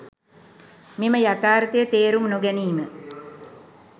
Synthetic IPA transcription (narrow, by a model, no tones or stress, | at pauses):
miməjat̪aːɾət̪əjət̪eːɾumnoɡɛniːmə